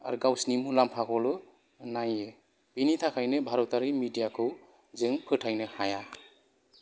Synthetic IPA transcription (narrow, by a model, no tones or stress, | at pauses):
a̰ɾɡawsnimulampʰakʰɔlɯ | naje | b̥init̪ʰakʰajnɯbʱaɾɔtaɾimidijakʰɯw | zɯŋpʰɯtʰajnɯhaja